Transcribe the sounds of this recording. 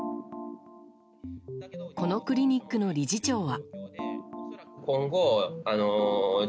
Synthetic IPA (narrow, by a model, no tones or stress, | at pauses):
ko̞no̞kɯ̟ɾʲiɲ̟ikːɯ̟no̞ɾʲiʑit͡ɕo̞ːβa | kõŋɡoano